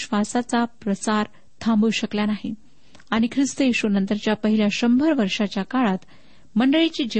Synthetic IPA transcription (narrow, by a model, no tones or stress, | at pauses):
ɕʋasat͡sapɾət͡saɾ | t̪ʰãmbəːɕəkljanaɦi | aɽ̃ikʰɾist̪əeɕonənt̪əɾt͡ɕjapəɦiljaɕəmbʱəɾʋəɾʂat͡ɕjakaɭat̪ | məɳɖəɭit͡ɕiːd͡ʑ